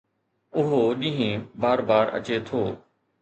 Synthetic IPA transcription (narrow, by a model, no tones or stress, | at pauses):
ʊɦoɗɪ̃ɦẽbaːɾbaːɾɐ̰t͡ɕet̪ʰoː